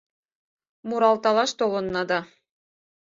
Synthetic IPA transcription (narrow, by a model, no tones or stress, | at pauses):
muɾɑlˠt̪ɑlˠɑʃt̪olˠɤ̆nːɑd̪ɑ